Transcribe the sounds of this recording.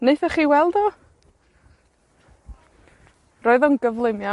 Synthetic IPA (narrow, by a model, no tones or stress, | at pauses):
neɨθɛrχiːwɛlˠdɔ | roːɨðɔnɡəvlˠɪmja